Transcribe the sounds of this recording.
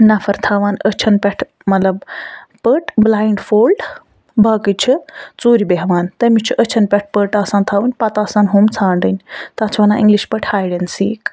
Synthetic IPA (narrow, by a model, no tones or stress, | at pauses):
nɐfʰɐɾt̪ʰaʋaːnət͡ʃʰɐnpʲeʈʰ | mɐt̪lɐbpəʈʰblaːiɳɖfʰoːlɖ | bʱaːkɨt͡ʃʰit͡suːɾibeɦʋaːnt̪ɐmit͡ʃʰiʔət͡ʃʰɐnpʲeʈ̚ʰpəʈaːsaːnt̪ʰaːʋɨnʲpɐt̪aːsãːnɦuːmt͡sʰaːɳɖ̪ɨnʲt̪at͡ʃʰʋɐnãːĩŋɡliʃpəʈʰhaːjɽensḭːk